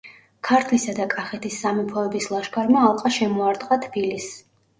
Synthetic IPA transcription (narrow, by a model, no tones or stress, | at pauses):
kʰaɾt̪ʰlisad̪akʼaχɛt̪ʰisːamipʰɔɛbislˠaʃkʰaɾmaːlˠqʼaʃɛmɔaɾd̪qʼat̪ʰb̥ilis